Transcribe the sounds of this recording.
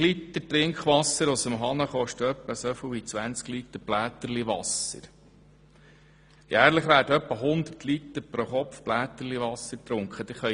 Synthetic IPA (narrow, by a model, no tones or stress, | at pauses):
lit̪ːətɾɪŋkχʋɑsəɾʊsəmɦɑnəχɔʃtəœpːəsɔfəwit͡sʋænt͡sklit̪əɾb̥læːt̪əɾliʋɑsə̰ɾ | jæːɾləχʋæːɾdəœpːəɦʊnd̪əɾtʰlit̪əɾpɾoχɔfb̥læːt̪əɾliʋɑsəɾt̪ɾʊŋkχəd̪ɪχœ